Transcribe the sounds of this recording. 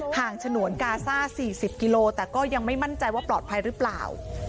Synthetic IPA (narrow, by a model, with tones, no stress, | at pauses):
haː˨˩ŋt͡ɕʰa˧nu˨˩˦ənkaː˧saː˥˩siː˨˩si˨˩p̚ki˧loː˧t̪ɛː˨˩kɔː˥˩ja˧ŋma˥˩jma˥˩nt͡ɕa˧jwaː˥˩plɔː˨˩t̪̚pʰa˧jɾɯː˦˥pla̰ː˨˩w